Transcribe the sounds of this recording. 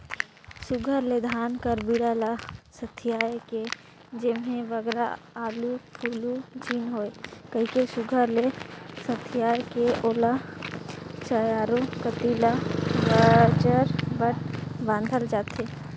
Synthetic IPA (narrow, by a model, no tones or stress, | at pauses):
sʊɡʱəɾled̪ʱaːnkəɾbiɽalasət̪ʰɪjaːjke | d͡ʒɪmɦẽʋəɡɾa̰aːlupʰuːlud͡ʒiːnɦoːekəɦikesʊɡʱəɾlesət̪ʰːɪjaːjkeʔoːla | t͡ʃəjaːɾokət̪ilabəd͡ʒəɾbəʈ̚bãːnd̪ʱəld͡ʒaːt̪ɦeː